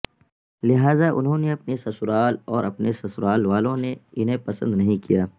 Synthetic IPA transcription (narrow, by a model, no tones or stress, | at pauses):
lɪɦaːzaʔʊ̰nɦõːneɐpnesɐsʊɾaːlɔːɾɐpnesɐsʊɾaːlʋaːlõneɪnɦẽpɐsə̰̃nd̪nɐɦĩkijaː